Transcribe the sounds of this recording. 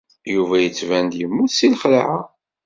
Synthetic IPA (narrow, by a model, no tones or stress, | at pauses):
juvæjət͡sːvænd̪jəmːuθsilχlahæ